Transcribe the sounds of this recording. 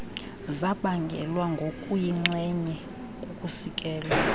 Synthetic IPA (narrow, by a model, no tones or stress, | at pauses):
zaɓaŋɡʱɛlwaŋɡʱokʼujiŋ͡ǁɛɲɛ | kʼukʼusikʼɛːla